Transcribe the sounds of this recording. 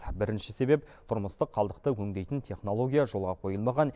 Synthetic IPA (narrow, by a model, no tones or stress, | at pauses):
bɪɾɪnʃɪse̞be̞p̚ | t̪ʰʊɾməst̪əqʰːɑlˠd̪əq̚t̪əwʰɵŋd̪e̞jt̪ɪnt̪ʰe̞χno̞lˠo̞ɡʲijaʒo̞lˠʁɑqʰo̞jəlˠmɑʁɑn